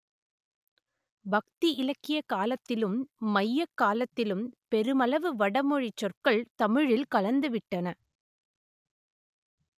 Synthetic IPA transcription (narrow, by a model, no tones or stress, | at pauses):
bɐk̚t̪iʔɪlɐkːɪjɐkaːlɐt̪ːɪlɯmːɐjːɐkːaːlɐt̪ːɪlɯmpɛɾɯmɐlɐʋɯʋɐɽɐmɔɻɪt͡ʃːɔrkɐɭt̪ɐmɪɻɪlkɐlɐnd̪ɯʋɪʈːɐnɐ